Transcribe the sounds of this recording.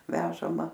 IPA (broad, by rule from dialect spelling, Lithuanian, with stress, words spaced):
ˈʋʲæːʒɐmɐ